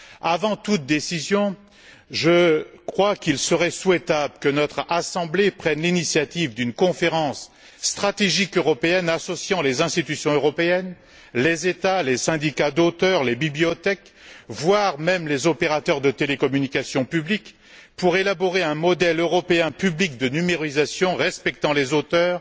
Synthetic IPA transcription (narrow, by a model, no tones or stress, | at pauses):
avɑ̃t̪ut̪̚d̪esizjɔ̃ | ʒəkχwakilsəʁɛswɛt̪abləkənɔt̪χasɑ̃blepχɛnlinisjat̪ivd̪ynkɔ̃feʁɑ̃sː | t̪χat̪eʒikøʁɔpeɛnasɔsjɑ̃lezɛ̃st̪it̪ysjɔ̃øʁɔpeɛn | lezet̪alesɛ̃d̪ikad̪ot̪œʁlebibliɔt̪ɛk | vwaʁmɛmlezɔpeʁat̪œʁd̪ət̪elekɔmynikasjɔ̃pyblik | puʁelabɔʁeɛ̃mɔd̪ɛløʁɔpeɛ̃pyblik̚d̪ənymeʁizasjɔ̃ʁɛspɛk̚t̪ɑ̃lezot̪œːʁ